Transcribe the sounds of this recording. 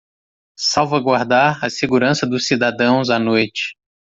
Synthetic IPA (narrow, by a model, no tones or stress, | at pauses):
sawvaɡwaɾd̪aɾɐseɡuɾɐ̃sɐd̪ʊsːid̪ad̪ɐ̃w̃zanojt͡ʃɪ̥